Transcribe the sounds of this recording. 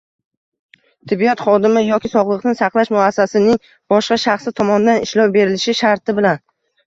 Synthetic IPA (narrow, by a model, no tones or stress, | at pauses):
t̪ʰɪbːijat̪χɒd̪ɪmɪjɒkʲɪsɒʁlˠɨqnɪsɑqlˠaʃmʊasːasɪnɪŋ | b̥ɒʃqɑʃaχsɪt̪ʰɒmɒnd̪anɪʃlˠɒwbe̞ɾɪlɪʃɪʃaɾt̪ɪbɪlan